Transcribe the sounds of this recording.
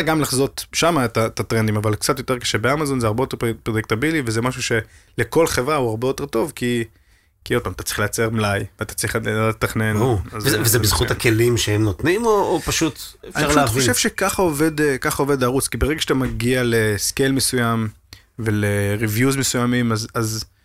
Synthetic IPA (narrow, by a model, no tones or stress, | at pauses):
ɡamlaχzo̞t̪ʃamaet̪at̪at̪ʁend̪imavalkt͡sat̪jo̞t̪e̞ke̥ʃebeamazo̞nzeaʁbe̞jote̞ʁpʁojek̚t̪abilivezemaʃuʃe̞leko̞lχevʁauaʁbejo̞t̪e̞ʁt̪o̞vki | kio̞d̥̪̚pamat̪at͡sʁiχlejat͡se̞ʁmlajveat̪ḁt͡sʁiχet̪aχnenoazvezebizχut̪hakʰelimʃehemnot̪nimoːpaʃut̪efʃaʁeaχoʃevʃe̞kaχaove̞d̪kaχao̞ve̞d̪ʁut͡skibeʁeɡaʃeat̪amaɡiale̞skejlmesujam | ve̞le̞ʁivjuzmesujamimazaz